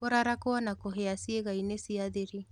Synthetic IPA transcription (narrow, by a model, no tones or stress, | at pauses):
oɾaɾakoɔnakoɦeasieɣainesiaðeɾi